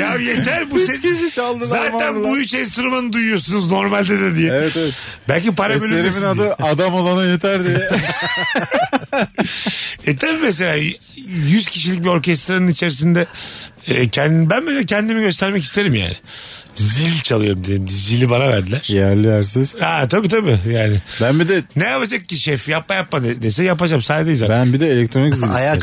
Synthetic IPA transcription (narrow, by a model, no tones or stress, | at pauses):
jajet̪ʰæɾbuseiʃit͡ʃalˠd̪zaːænbuyt͡ʃenst̪uɾumanɯd̪ujujo̞sunuzno̞ɾmalʲd̪ed̪ɛd̪ijɛeɛt̪eɛt̪ | bælʲcipaɾabølʲeɾiminad̪ɯad̪amolˠanajet̪ʰæɾd̪ijɛ | ɛt̪ʰabiːmes̬e̞lʲaː | jyz̥cʰiʃ̬ilʲic̚bio̞ɾcʰɛst̪ɾanɯnit͡ʃʰe̞ɾis̬ind̪ɛɛːcʰnbænmeselacʰɛnd̪imiɟø̞st̪æɾmɛci̥st̪ʰe̞ɾimja̰ːnɪ | zilʲt͡ʃʰalˠɯjo̞ɾumd̪ielʲimd̪ɛzilʲibanavæ̰ɾd̪ilʲæɾ̥jæɾlʲijæɾs̬iz̥at̪ʰabiːt̪ʰabijaːnɪbænbid̪ɛnejapad͡ʒak̚cːiʃɛfjapmajap̚mad̪d̪esɛjap̬ad͡ʒamsaːed̪eizabænbid̪ɛelʲɛk̚t̪ʰɾonizilʲaja